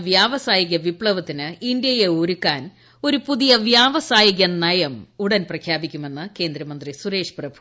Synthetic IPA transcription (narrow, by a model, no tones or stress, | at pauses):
ʋjaːʋɐsaːjiɣɐʋipɭɐʋɐt̪ːinɨind̪jɐjeoːɾukːaːn | o̞ɾupuðijɐʋjaːʋɐsaːjiɣɐnɐjɐmuɽɐnprɐkʰjaːbikʲːume̞nːɨke̞ːnd̪ɾɐmɐnd̪risuɾe̞ːʂprɐbʱu̥